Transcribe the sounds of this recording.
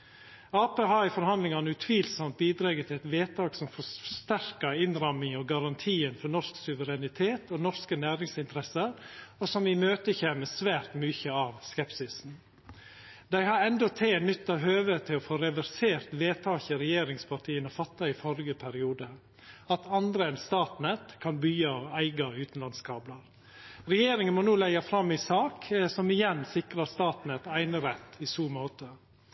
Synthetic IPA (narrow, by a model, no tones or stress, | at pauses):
ɑːpeːɦɑːɪfɔɾhɑnd̪lɪŋɑnəʉt̪ʰʋiːlsɔmt̪̚biːd̪ɾɑːɡət̪ʰɪlɛt̪ʋeːt̪ʰɑːksɔmfɔʂt̪æɾkəɪnɾɑmɪŋɔɡɑɾɑnt̪ʰiːənfɔɳɔʂksʉʋəɾɛnɪt̪ʰeːt̪ʰɔnɔʂkənæːɾɪŋsɪnt̪ɾɛsəɾosɔmɪmøːt̪əçeːməsʋæːɾt̪myːçəɑːʋskɛpsɪsn̩ | d̪æɪhɑɾɛnd̪ɔt̪ʰeːnʏt̪ːɑʋɦøːʋət̪ʰɪlɔfoːɾɛʋæɾseːɾt̪ʋeːt̪ʰɑːçəɾɛjeːɾɪŋspʰɑʈʰiːənɔfɑt̪ːɑɪfɔɾɪɡəpʰæɾɪuːd̪ə | ɑt̪ʰɑnd̪ɾəɛnst̪ɑːt̪nɛt̪kʰɑnbyːɑæɪɡɑʉːt̪n̩lɑnskʰɑːblɑɾ | ɾɛjeːɾɪŋənmɔnuːlæɪɑfɾɑmːɪsɑːksɔmɪjɛnːsɪkɾɑst̪ɑːt̪nɛt̪æɪnəɾɛt̪ːɪsuːmoːt̪ə